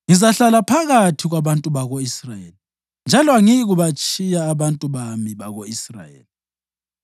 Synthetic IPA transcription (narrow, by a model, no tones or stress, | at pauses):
ŋizaɬalapʰaɣatʰiɣwaβantʼuβaɣoisrajḛːli | nd͡ʒʱalɔaŋiɣuβat͡ʃʼijaːβantʼuβamiβaɣoisra̰jḛːli